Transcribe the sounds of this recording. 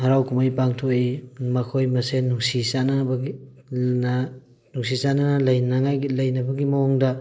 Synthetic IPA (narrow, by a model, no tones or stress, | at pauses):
hɐɾawkʰumajpaŋtʰoimɐkʰojmɐsenuŋsisanɐbɡ | na | nuŋsisanɐnɐlɐjnɐŋajɡilɐjnɐbɐɡimɐɔŋdɐ